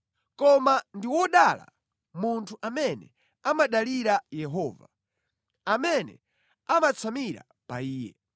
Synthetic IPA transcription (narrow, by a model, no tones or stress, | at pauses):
kɔmandiwɔɗala̰ | muntʰuʔamɛnɛ̰ | amaɗaliɾajɛɦɔːva̰ | amɛnɛ̰ | amat͡sʰamiɾa̰ | paiːjɛ̰